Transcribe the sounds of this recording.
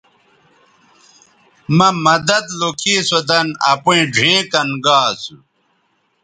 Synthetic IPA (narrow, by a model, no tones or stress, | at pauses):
mɐmɐd̪ɐd̪lokʰiːsod̪ɐnɐ̰puĩɖʱẽːkɐnɡaːsu